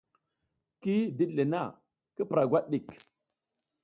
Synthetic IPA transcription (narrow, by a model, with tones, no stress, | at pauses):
ki˦di˦ɗli˨na˦˨ | ki˦pɾa˨ɡʷa˦ɗɗi˨k